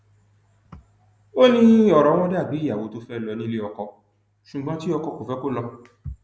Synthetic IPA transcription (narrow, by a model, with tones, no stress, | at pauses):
o˦nĩ˧˦ɔ˨ɾɔ˨˦w̃ɔ̃˦da˦˨bi˨˦i˦˨ja˨wo˨˧˦to˦fɛ˦˨lɔ˧nĩ˦le˦ɔ˧kɔ˧ | ʃu˨ɡ͡bɔ̃˦ti˦ɔ˧kɔ˧ko˨fɛ˦ko˦lɔ˧